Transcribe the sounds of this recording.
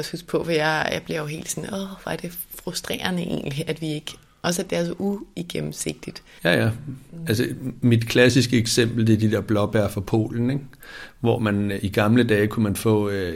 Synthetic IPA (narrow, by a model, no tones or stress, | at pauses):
ɒshusɡ̥̚pʰɔ̽ʋɒjɑjäɪb̥leɐjoɦe̝̰ːld̥sɔ̽nɒʋæɐd̥e̝ | fʁusd̥ʁḛːɐnəʔe̝̰ːnliʔæd̥ʋie̝ɡ̥ | ʔɒ̽s̬əæd̥e̝æɐs̬ɒ̽ʔuiɡ̥emm̩se̝ɡ̥̚d̥id̥ | jæjæælsəmid̥kʰlæsisɡ̥əeɡ̥sem̰b̥l̩d̥e̝ɐd̥id̥e̝ɐb̥lɒ̽b̥æɐfʁɒ̈pʰo̝̰ːln̩eɡ̥ | ʋɒmæniɡ̥ɑ̈mləd̥ɛːkʰumænfɔ̰̽ː